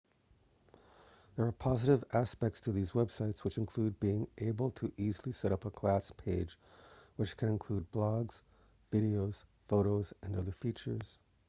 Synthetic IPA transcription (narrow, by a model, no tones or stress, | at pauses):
ðə˞ːpʰɑzɨɾɨvæspɛk̚tstʰɨðizwɛb̥saɪtswɨt͡ʃɨ̃nkʰl̥ʉd̚biɪ̃ŋʔeɪbl̩ˠtʰɨʔizl̩ˠisɛɾʌpəkʰl̥æspʰeɪd͡ʒ | wɨt͡ʃkʰɨ̃nɨ̃nkʰl̥ud̚blɑɡz̥ | vɪɾioʊz̥ | foʊɾoʊzɨ̃nʌðə˞fit͡ʃə˞z̥